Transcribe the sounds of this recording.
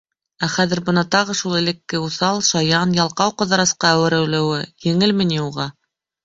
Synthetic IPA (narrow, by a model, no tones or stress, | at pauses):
æχæðɘ̆ɾbɤ̆nɑt̪ɑʁɤʃulˠɘ̆lɘ̆kːɘuθɑlˠʃɑjɑnjɑlˠqɑwqɤ̆ðɑ̆ɾɑsqɑæwɘ̆ɾɘ̆wlɘ̆wɘjɘ̆ŋɘlmɘ̆niuʁɑ